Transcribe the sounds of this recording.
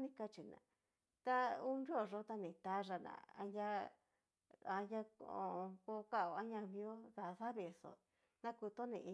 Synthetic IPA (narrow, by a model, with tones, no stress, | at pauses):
nĩ˦ka˧t͡ʃi˨nã̰˨ | t̪a˦u˦nɾi˦o˦˨ʐo˦t̪a˧nĩ˨t̪a˦ʐa˧nã̰˨a̰˧na˦ | a˧nja˦kõ̰˧˨˧ko˧ka˦˨o˨a˦ɲã˧mĩ˧˦o˦ða˨˧ða˦βe˨so̰˨ | nã˦ku˧t̪o˦nḭ̃˧ʔi˧